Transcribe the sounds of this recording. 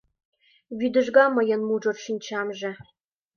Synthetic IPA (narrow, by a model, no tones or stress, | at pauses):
βyd̪ə̆ʒɡɑmə̆jə̆nmuʒŏrʃinʲt͡ɕɑmʒĕ